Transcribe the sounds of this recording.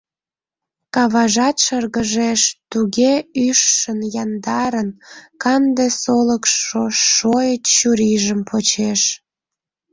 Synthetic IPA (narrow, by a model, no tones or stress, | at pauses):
kɑβɑʒɑt̪ʃərɣəʒeʃt̪uɣeyʃːənjɑnd̪ɑɾənkɑnd̪esoləkʃoːojət̪ɕuɾiʒəmpʰot͡ɕeʃ